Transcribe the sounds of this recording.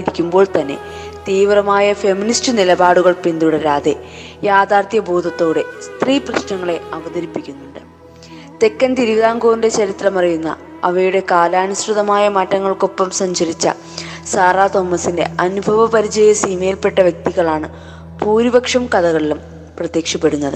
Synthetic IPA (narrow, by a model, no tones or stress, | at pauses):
iɾikʲːumbo̞ːɭt̪ɐnːe̞̰ | t̪iːʋrɐmaːjɐfe̞ministɨnilɐbaːɽuɣɐɭpind̪uɽɐɾaːðe̞jaːd̪aːrt̪jɐboːd̪ʱɐt̪ːo̞ːɽe̞st̪riːprɐɕnɐŋːɐɭe̞ɐʋɐðɐɾipːikʲːunːuɳɖɨ | t̪e̞kːɐnt̪iɾuʋiðaːŋɡo̞ːnde̞t͡ɕɐɾit̪rɐmɐrɐjunːɐ̰ | ɐʋɐjuɽe̞kaːlaːnusʈrɨðɐmaːjɐmɐtːɐŋːɐɭko̞pːɐmsɐɲt͡ɕɐɾit͡ɕːɐ̰ | saːraːt̪o̞ːmːɐsinde̞̰ʔɐnubʱɐʋɐpɐɾit͡ɕɐjɐsimejlpe̞ʈːɐʋjɐk̚t̪iɣɐɭaːɳɨ | puːɾibɐkʂɐmkɐðɐɣɐɭilum | prɐt̪jeːkʂɐpːe̞ɽunːɐðɨ